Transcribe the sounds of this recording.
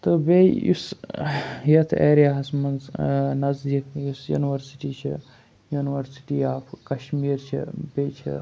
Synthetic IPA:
t̪ɨbeṵs | jɐt̪ʰḛːɾjaːɦɐsmɐnznɐzd̪ikjusjṵniʋɐɾsi̥ʈiːt͡ʃʰḭ | juniʋɐɾsi̥ʈiaːpkɐʃmiːɾt͡ʃʰḭbet͡ʃʰḭ

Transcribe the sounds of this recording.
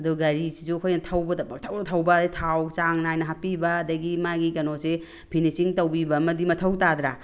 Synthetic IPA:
ɐduɡɐɾisizuɐkʰojnɐtʰɐwbɐtʰɐwnɐtʰɐwbɐditʰawt͡ʃaŋnajnɐɦapibɐːdɐɡimaɡiɡɐnose | pʰinisiŋtɐwbibɐmɐdimɐtʰɐwtad̪ɾa

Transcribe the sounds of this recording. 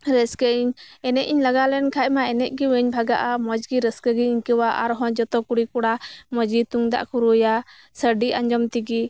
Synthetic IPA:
ɾɛskəiɲɛnɛʔiɲlaɡalɛnkʰaʔ̚maɛnɛʔ̚ˀɡiwɛɲbʱaɡaʔamɔd͡ʒɡiɾɛskəɡiiɲkɛwaʔaɾɦɔ̃d͡ʒɔt̪ɔkuɽikuɽamɔd͡ʒit̪uŋd̪a̰ʔkuɾuja | səɖiaɲd͡ʒɔmt̪iɡi

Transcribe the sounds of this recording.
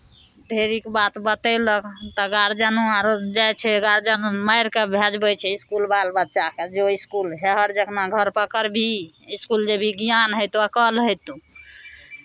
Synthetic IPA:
ɖʱeɾikbat̪bət̪ələkt̪ɔɡaɾd͡ʒanuaɾd͡ʒajt͡ʃʰɛɡaɾd͡ʒanũmajɾkebʱed͡ʒbət͡ʃʰɛiskulbalbət̪ːʃaked͡ʒoiskulɦɛɦəɾd͡ʒəkʰnaɡʱəɾpəkəɾbʱiiskuld͡ʒebʱiɡijanɦəjt̪uəkəlɦəjt̪u

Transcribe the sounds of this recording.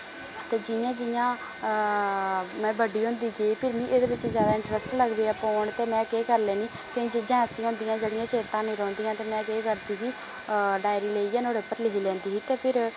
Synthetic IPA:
t̪eːd͡ʒɪjãːd͡ʒɪjãː | mɛ̃ːbəɖiːɦõːnd̪iːɡeːpʰɪɾmĩːʔeːd̪eːbɪt͡ʃzjaːd̪aːɪ̃ɳʈɾəsʈləɡbeːaːpɔːɳt̪eːmɛ̃ːkeːkəɾleːniː | kẽd͡ʒd͡ʒɛ̃ːsĩːɦõːnd̪iːãːd͡ʒeːɽijãːt͡ʃʰeːt̪ãːnĩːɾɔ̃ːnd̪iːãːt̪eːmɛ̃ːkeːkəɾd̪iːɦiː | ɖaːɪɾiːleːiːɛːnoːɽeːpəɾlɪɦiːlɛ̃ːnd̪iːɦiːt̪eːpʰɪɾ

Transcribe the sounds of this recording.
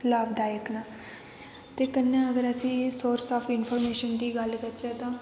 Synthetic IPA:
ləːʋd̪aːjəknaː | t̪eːkənːãːəɡəɾəsĩːsoːɾsaːpʰɪnpʰɔːɾmeːʃənd̪iːɡəlkəɾt͡ʃeːt̪ãː

